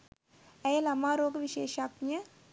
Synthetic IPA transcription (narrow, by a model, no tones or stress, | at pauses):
ɛjlɐmaːɾoːɡʋiʃeːʃaknjɐ